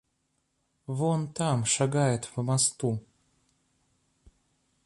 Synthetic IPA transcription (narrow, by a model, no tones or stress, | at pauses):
vont̪amʃaɡajɛt̪vɨmast̪u